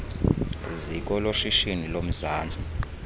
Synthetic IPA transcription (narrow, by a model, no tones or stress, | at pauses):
zik̬ʼɔloʃiʃinilom̩zaːnd͡zʼi